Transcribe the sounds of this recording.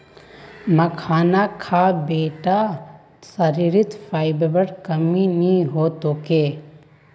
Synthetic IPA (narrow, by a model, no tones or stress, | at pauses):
mɐkʰaːnakʰaːbeːʈa | sɐɾiɾɪt̪fʰaːɪbbəɽkɐminĩɦoːt̪okeː